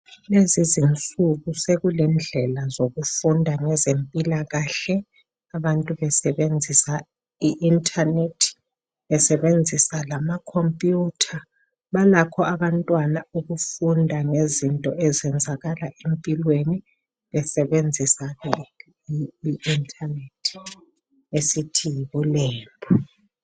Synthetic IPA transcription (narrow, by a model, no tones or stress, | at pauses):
lezizint͡sʼuɣuseɣulɛnd͡ɮʱɛlazoɣufundʱaŋɛzempʼilaɣaɬɛ | aβantʼuβɛsɛβend͡zʱisa | iʔintʼʰanetʰi̥ | βɛsɛβend͡zʱisalamakʰompʼjuːtʰa | βalakʰɔaβantʼwanauɣufundʱaŋezintʼɔɛzɛnd͡zʱaɣalaʔempʼilweni | βɛsɛβend͡zʱisaɣɛ | iintʰʼanetʰi̥ | esitʰijiβulɛːmbʱɔ